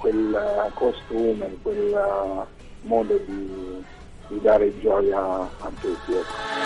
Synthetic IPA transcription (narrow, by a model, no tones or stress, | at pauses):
kwelkost̪uːmekwel | mɔːd̪od̪i | d̪id̪aːɾed͡ʒɔːjaːnk̪ekjoka